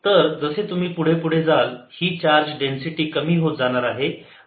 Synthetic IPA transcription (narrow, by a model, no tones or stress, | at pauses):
t̪əɾd͡zəset̪um̤iːpuɽ̤epuɽ̤ed͡zalhiːt͡ɕaɾd͡ʑɖensiʈiːkəmiːɦot̪̚d͡zaɽ̃aɾaɦe